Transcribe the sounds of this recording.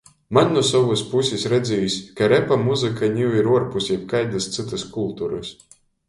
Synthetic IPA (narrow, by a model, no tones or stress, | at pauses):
mannuɔsavuspusʲisʲɾɛd̪zʲɛjisʲkaɾɛpamuzɨkanʲiwiɾuɔɾpusʲip̚kajd̪ɨst̪sɨt̪askulˠt̪uɾɨs